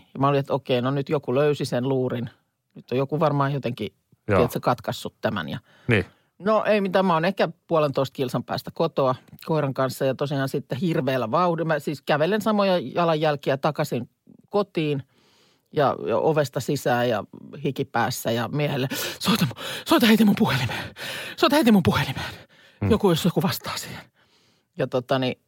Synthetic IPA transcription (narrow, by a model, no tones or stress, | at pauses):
jɑmæoliet̪okeinonyt̪jokuløysisenluːrin | nyt̪ːojokuʋɑrmɑːjjot̪eŋki | iet̪sekɑt̪kɑsːut̪t̪æmæ̰njɑ̰ | n | noʔeimit̪æmæonehkæpuɑlent̪oist̪kilsɑmpæ̰ːst̪ækot̪oɑkoiɾɑŋkɑnsːɑjɑt̪osiɑːnsit̪ːehirʋeːlːæʋɑudimæsiːskæʋelensɑmojɑjɑlɑjjælkiæt̪ɑkɑsiŋ | kot̪iːn | jɑ̰jɑ̰o̰ʋest̪ɑsisæːjɑ̰hikipæ̰ːsːæjɑmiæhelːesoit̪ɑmusoˑt̪ɑheit̪imːumpuhelimesoɑt̪heit̪imumpuhelimen | jokujosjokuʋɑst̪ɑ̥ːsi̥ːhen | jɑt̪ot̪ɑni